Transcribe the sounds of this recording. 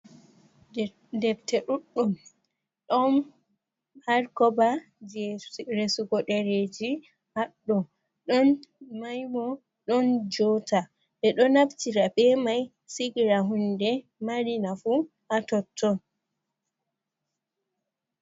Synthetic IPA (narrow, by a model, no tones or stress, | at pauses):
dɛbtɛɗuɗːum | ɗɔn | haɾkɔba | ɾesuɡɔɗɛɾed͡ʒi | haɗːɔ | ɗɔnmajmɔ | ɗɔnd͡ʒɔta | ɓɛɗɔnabtiɾabɛmaj | siɡɾaɦundɛ | maɾinafu | ʔatɔtʰːɔn